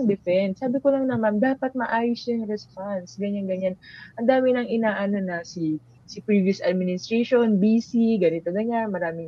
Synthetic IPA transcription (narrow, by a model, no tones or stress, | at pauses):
ŋd̪ɪfɛndsaːbɪkolɐŋnɐmand̪aːpɐt̪̚mɐʔaːjʊsaɐŋɾɛspansɡɐɲanɡɐɲanʔɐnd̪aːmɪnɐŋɪnaːʔɐno̞nɐsi | sɪpɹiːviʊsʔɐd̪̚mɪnɪst̪ɾɛʃonbiːsiɡɐnɪt̪oɡɐɲanmɐɾaːmɪŋ